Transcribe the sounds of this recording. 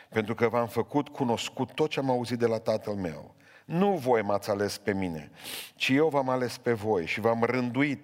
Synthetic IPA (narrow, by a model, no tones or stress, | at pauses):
pe̞nt̪ɾukəvamfəkut̪kʰuno̞skut̪ːo̞t̪̚t͡ʃeamauzit̪̚d̪elat̪at̪əlme̞̰w | nuvo̞jmat̪sʲale̞spe̞mine̞̰t͡ʃije̞wvamale̞spe̞vo̞jʃivamrɨnd̪uit̪̚